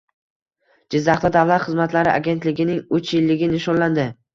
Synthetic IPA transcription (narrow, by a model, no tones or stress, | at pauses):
d͡ʒɪzːaχt̪ad̪avlat̪χɨzmat̪laɾɪʔa̰ɡʲe̞nt̪lɪɡʲɪnɪŋʊt͡ʃjɪlːɪɡʲɪnɪʃɒnland̪ɪ